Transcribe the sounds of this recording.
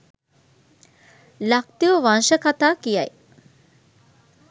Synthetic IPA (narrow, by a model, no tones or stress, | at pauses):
lak̚t̪iʋəʋanʃəkat̪aːkijaj